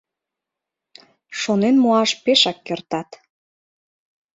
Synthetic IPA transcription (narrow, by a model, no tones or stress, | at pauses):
ʃonenmoɑʃpeʃɑkːert̪ɑt̪